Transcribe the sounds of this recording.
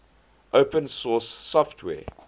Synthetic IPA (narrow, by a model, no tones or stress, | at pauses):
ʔoʊpə̃nsɔsːɔftʰwɛ̰ː